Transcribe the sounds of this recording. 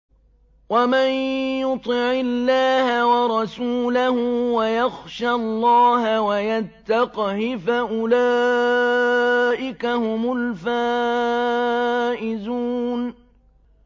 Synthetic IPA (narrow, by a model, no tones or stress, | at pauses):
wamanjʊt̪ˤɪʕɪlːaːhawɑɾˤɑsuːlahʊwajaxʃalˤːɑːhawajat̪ːaqhɪfaʔʊlaː | ʔɪkahʊmʊlfaː | ʔɪzuːn